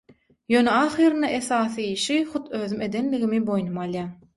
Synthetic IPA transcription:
jøːneɑχɯːɾɯnd̪ɑʔe̞θɑːθɯiːʃiχut̪ʰøːðyme̞d̪enlːiɣimibo̞jnumɑlˠjɑ

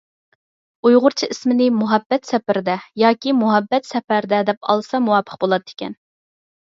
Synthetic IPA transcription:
ujʁʊɾt͡ʃʰiʔismɪnɪmuɦɛbːɛt̪sɛpɪɾd̪ɛjɑːkʲimuɦɛbːɛt̪sɛpæɾd̪ɛd̪ɛpɑ̰lˠsɑmuwɑːpʰə̥q̚bolˠɑd̪e̥kʲʰɛ̰n

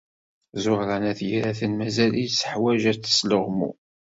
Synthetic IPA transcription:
zʊʁɾænæθjiɾaθənmæzælijsə̥ħwæʒæt͡sːə̥sləʁmṵ

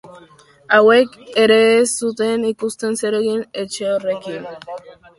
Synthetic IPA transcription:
awe̞ke̞ɾe̞ːsut̪e̞nikust̪e̞nse̞ɾe̞ɣine̞t͡ʃeore̞kin

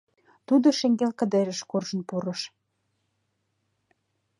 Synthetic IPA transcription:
t̪ud̪oʃeŋɡelkə̆d̪eɾəʃkorʒə̆npuɾɤ̆ʃ

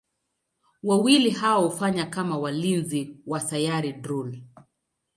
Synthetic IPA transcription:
wawilihawahufaɲakamawalinziwasajaɾidɾul

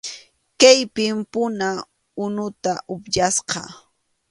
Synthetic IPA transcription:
kajpɪmpʊna | ʊnʊt̪aʔʊpʎasqɑ̰

